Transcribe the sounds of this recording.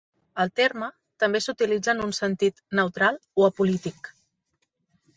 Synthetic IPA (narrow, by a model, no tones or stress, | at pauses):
əlˠt̪eɾmə | t̪əmbesut̪ilid͡zənunsənt̪it̪nəwt̪ɾalˠoəpulit̪ik